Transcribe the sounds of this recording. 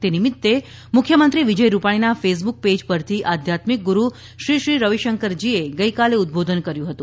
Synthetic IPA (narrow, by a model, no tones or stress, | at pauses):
t̪enimit̪ːe | mʊkʰjəmənt̪ɾiʋid͡ʒəjɾupaɽ̃inafes̬buk̚ped͡ʒpəɾt̪ʰiʔad̪ʱjat̪mik̚ɡuɾu | ʃɾiʃɾiɾəʋiʃəŋkəɾd͡ʒieɡəjkaleut̪̚bod̪ʱənkəɾjũɦət̪ũ